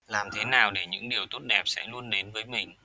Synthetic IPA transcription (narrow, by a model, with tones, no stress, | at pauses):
laː˨˩mt̪ʰe˨˦naː˨˩wɗe˧˩ɲɨ̰˧˥ŋɗi˨˩əwt̪o˦˥t̚ɗɛ˨˩p̚sɛ̰˧˥lu˧ənɗe˨˦nvəː˨˦jmï˨˩ŋ̟